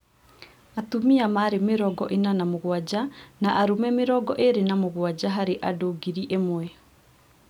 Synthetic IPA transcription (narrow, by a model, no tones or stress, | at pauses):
atumiamaɾemɪɾɔɡɔʔenanamoɣwad͡ʑanaʔaɾumɛmɪɾɔɡɔʔeɾenamoɣwad͡ʑaɦaɾeʔadoɡiɾiʔemwɛ